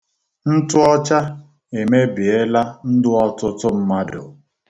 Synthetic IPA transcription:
n̩˦tʊ˦ɔ˦t͡ʃa˦ | e˨me˦bi˨e˦la˦n̩˦dʊ˦ɔ˦tʊ˦tʊ˦m̩˦ma˦dʊ˨

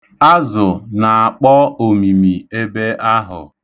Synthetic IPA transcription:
a˦zʊ˨na˨a˨k͡pɔ˦o˨mi˨mi˨e˦be˦ʔa˦ɦʊ̰˨

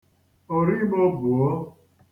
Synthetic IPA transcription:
o˨ɾi˦mo˦bu˨ɔ˦

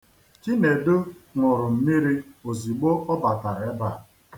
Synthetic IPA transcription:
t͡ʃi˦ne˨dʊ˦ŋʷʊ˨ɾʊ˨m̩˨mi˦ɾi˦o˨zi˨ɡ͡bo˦ʔɔ˦ba˨ta˨ɾe˨˦ba˦˨

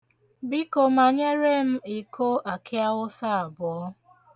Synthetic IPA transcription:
bi˦ko˨ma˨ɲe˦ɾe˦m̩˦i˨ko˦ʔa˨kɪ˦a˦ɣʊ˦sa˦a˨bʊ˨ɔ˦

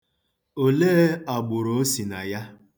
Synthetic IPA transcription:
o˨leː˦a˨ɡ͡bʊ˨ɾo˦si˨na˨ja˦

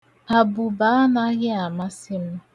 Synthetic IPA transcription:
a˨bu˨ba˨˦na˦ɣɪ˦a˨ma˦sɪ˦m̩˦

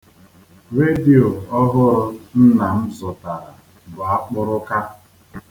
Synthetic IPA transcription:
ɾe˦di˨o˨ɔ˦ɦʊ˦ɾʊ˦n̩˦na˨m̩˦zʊ˨ta˨ɾa˨ | bʊ˨a˦k͡pʊ˦ɾʊ˦ka˦

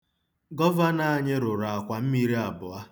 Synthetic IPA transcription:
ɡɔ˦va˦na˨a˨ɲɪ˦ɾʊ˨ɾa˨a˨kʷa˨m̩˦mi˦ɾi˦a˨bʊ˨a˦

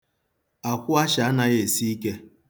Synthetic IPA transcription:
a˨kʷʊ˦a˦ʃa˨a˦na˦ɣe˨si˦i˦ke˦

